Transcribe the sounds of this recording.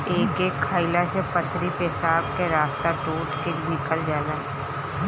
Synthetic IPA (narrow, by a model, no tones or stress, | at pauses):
eːkeːkʰːaːilasepɐt̪ʰɾipesaːbkeɾaːft̪aʈoːʈkenɪkəld͡ʒaːlaːɛ